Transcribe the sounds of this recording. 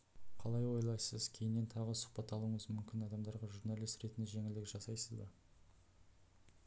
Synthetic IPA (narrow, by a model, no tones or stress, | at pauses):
qʰɑlˠɑjwo̞jlˠɑjsəzkʲʰe̞jɪnːe̞nt̪ʰɑʁəsʊ̥χpɑt̪ːɑlˠuəɴəzmʏmkʲɪnɑd̪ɑmd̪ɑɾʁɑʒuɾnalˠijst̪ɾe̞t̪ɪnd̪ɪʒe̞ŋʲɪld̪ɪkʒ̥ɑsɑjsəzbɑ